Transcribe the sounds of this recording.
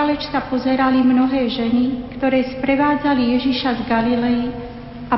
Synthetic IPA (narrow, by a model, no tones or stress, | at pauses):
alɛt͡ʃt̪apɔzɛɾalimnɔɦɛːʒɛnikt̪ɔɾɛːspɾɛʋaːd͡zalijɛʒiʃazɡalilɛji | a